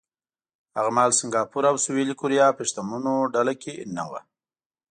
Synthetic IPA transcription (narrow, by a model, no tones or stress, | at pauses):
aɣmɑːlsɪŋɡɑːpuɾawsuwilkuɾijɑpɪʃt̪amunoɖalakena̰wa̰